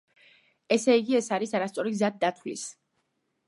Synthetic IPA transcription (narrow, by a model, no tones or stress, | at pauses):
ɛsɛiɡiɛsaɾisaɾast̪sʼɔɾiɡzad̪̚d̪at̪ʰwlḭs